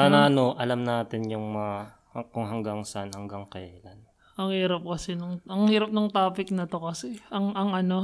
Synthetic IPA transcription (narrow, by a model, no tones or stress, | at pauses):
anaɐnoʔɐlamnaːt̪ɪnjʊŋmɐŋa | kʊŋɦɐŋɡaŋsɐʔanhɐŋɡaŋkɐja̰ʔlan | ɐŋhiːɾɐp̚kɐsɛnʊŋʔɐŋhiːɾɐp̚nʊŋt̪aːpɪk̚nɐt̪o̞kɐsɛʔɐŋʔɐŋʔɐno̞